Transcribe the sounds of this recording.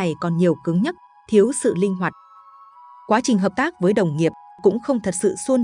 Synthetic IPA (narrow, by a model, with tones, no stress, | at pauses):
a˨˩jkɔ˨˩nɲi˨˩əwkɨ˨˦ŋɲə˦˥t̚ | t̪ʰi˨˦əwsɨ̰˧˨lï˧ŋ̟ɦwaː˨˩k̚ | kwaː˨˦t͡ɕï˨˩ŋ̟ɦəː˨˩p̚t̪aː˦˥k̚vəː˨˦jɗə˨˩wŋ͡mŋi˨˩əp̚kʊ̰˧˥ŋ͡mxə˧wŋ͡mt̪ʰə˨˩t̚sɨ̰˧˨swu˧n